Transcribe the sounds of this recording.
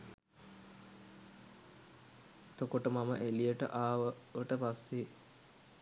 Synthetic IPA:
et̪okoʈəmaməʔelijəʈə̰ʔaːʋəʋəʈəpasːe

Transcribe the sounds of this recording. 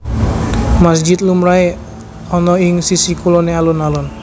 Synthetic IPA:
masd͡ʒɪt̪̚lumɾae | ɔnɔɪŋsisikulɔnealunalʊn

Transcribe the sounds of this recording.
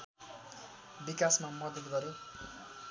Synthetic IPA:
bikasmamʌd̪ʌd̪ɡʌɾjo

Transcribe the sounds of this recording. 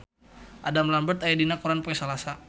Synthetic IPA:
ʔadamlambət̪ajadinakuɾanpuɛsalasa

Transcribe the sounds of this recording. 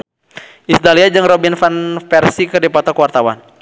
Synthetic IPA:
ʔisd̪aliad͡ʒɨŋrɔbinfanfɛrsikədɛpat̪ɔkəwart̪awa̰n

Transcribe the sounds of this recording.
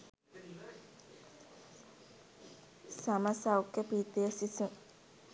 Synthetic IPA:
saməsawkːəpiːt̪ejəsisu

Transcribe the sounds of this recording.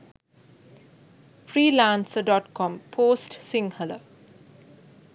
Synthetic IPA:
fɾiːlãːnsəɖɔʈkɔ̃mpʰoːsʈsĩŋhələ̰

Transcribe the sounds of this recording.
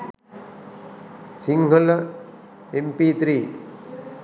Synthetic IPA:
siŋɡʱɐlɐ | empiːt̪ɾiː

